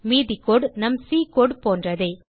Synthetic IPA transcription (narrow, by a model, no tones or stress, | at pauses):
miːðikoːɖnɐmsiːkoːɖpoːndrɐðɐː